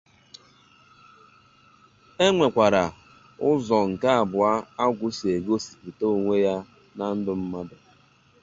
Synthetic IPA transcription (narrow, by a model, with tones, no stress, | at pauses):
e˦ŋʷe˨kʷa˨ɾa˨ | ʊ˦zɔ˨ŋ̩˨ka˦a˨bʊ˨a˦a˦ɡʷʊ˦si˨e˨ɡo˦si̥˨pi˨to˦˨ŋʷe˦ja˦ | na˦n̩˦dʊ˦m̩˦ma˦dʊ˨